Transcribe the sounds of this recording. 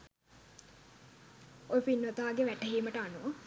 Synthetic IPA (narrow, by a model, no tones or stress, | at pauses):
ojpinːot̪aːɡeʋæʈəɦiːməʈəanuʋa